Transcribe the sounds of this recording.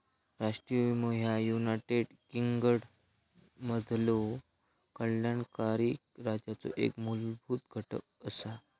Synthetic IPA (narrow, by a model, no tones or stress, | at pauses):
ɾaʂʈɾijəmoɦjajunaʈeɖ | kiŋɡəɽ | məd̪ʱlo | kəɭːaɳkaɾiːk̚ɾad͡ʑjat͡so̰ʔḛkmulbʱuːt̪ɡʱəʈə̰k̚əsa